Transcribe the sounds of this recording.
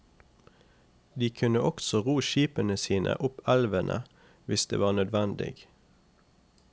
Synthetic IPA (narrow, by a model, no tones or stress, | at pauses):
d̪iːkʰʉnəʔɔksɔʁuːʃiːpənəsiːnʔə̰ʔʊpælʋənʔə̰ | ʋɪsd̪ḛːʋɑːʁnœd̪ʋænd̪ɪ̰ɡ